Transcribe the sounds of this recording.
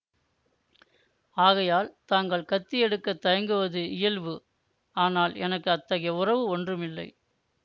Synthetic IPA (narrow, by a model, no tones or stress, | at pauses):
aːɣɐjaːlt̪aːŋɡɐɭkɐt̪ːijɛɽɯkːɐt̪ːɐjɐŋɡɯʋɐðɯɪjɐlʋɯ | aːnaːlɛ̰nɐkːɯɐt̪ːɐɣɐjɐʊrɐʋɯɔndrɯmɪlːɐ̰ɪ